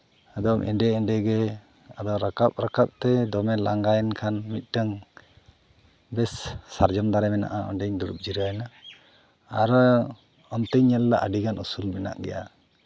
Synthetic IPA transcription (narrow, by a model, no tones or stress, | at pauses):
ad̪ɔmʔɛ̰ɳɖɛɛɳɖɛɡɛ | ad̪ɔwɾakap̚ɾakap̚t̪ɛd̪ɔmɛlaŋɡajnkʰanmit̪̚ˀʈəŋ | bɛsːaɾd͡ʒɔmd̪aɾɛmɛna̰ʔaɔ̰ɳɖɛɲd̪uɾup̚d͡ʒiɾajnaː | ɾ | ɔmt̪əɲɲɛlːaʔəɖiɡanusulmɛna̰ʔɡɛ̰ja̰